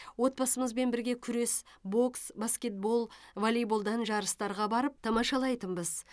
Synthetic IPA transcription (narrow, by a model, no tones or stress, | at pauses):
wo̞t̪̚pɑsəməzbe̞nbɪɾɡʲe̞kʲʰʏɾe̞sbo̞ksbaskʲe̞t̪̚bo̞lˠvolʲijbolˠd̪ɑnʒɑɾəst̪ɑɾʁɑbɑɾəp̚t̪ʰɑmɑʃɑlˠɑjt̪əmbəz